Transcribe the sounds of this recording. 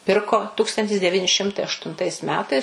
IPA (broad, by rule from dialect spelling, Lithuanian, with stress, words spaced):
ˈpʲɪrkoː ˈtuːkstɐnʲtʲɪs dʲɛˈʋʲiːnʲɪ ˈʃʲɪmtɐɪ ɐʃtʊnˈtɐɪs ˈmʲæːtɐɪs